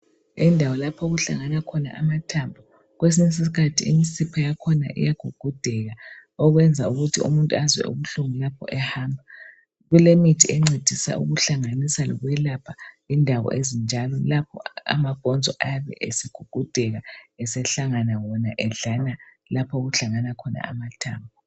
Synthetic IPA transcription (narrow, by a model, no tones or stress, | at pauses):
indʱawɔlapʰɔɣuɬa̰ŋanakʰɔna̰ʔamatʰambʱu | ɣwes̬inis̬isikʰatʰiimisipʰajakʰɔna̰ʔḭjaɡ̥ʱuɡ̥ʱud̥ʱɛɣaɔɣwɛnd͡zʱauɣutʰḭṵmuntʼuazwɛ̰ṵβuɬuŋulapʰɔʔɛhaːmbʱa | ɣulemitʰiɛŋ͡ǀed̥ʱisa̰ʔṵɣuɬaŋanisalɔ̰ɣwɛlapʰa | indʱaɣɔ̰ʔezind͡ʒʱalɔlapʰɔ̰a̰maɡ̥ʱɔnd͡zʱɔʔajaβɛ̰ʔesiɡ̥ʱuɡ̥ʱud̥ʱɛɣaɛsɛɬaŋanawɔnaʔɛɮana | lapʰɔɣuɬaŋanakʰɔna̰a̰matʰaːmbʱɔ